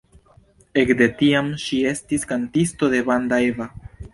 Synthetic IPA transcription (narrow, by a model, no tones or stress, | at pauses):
e̞kde̞tiamʃie̞stiskantisto̞de̞bandaeva